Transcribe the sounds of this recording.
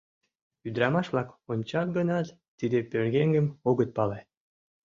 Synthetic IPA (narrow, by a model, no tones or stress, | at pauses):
yd̪ɾɑmɑʃblɑkonʲt͡ɕɑk̚ɡə̆nɑt̪ | t̪ːid̪epørɣeŋɡə̆moɣə̆t̪̚pɑle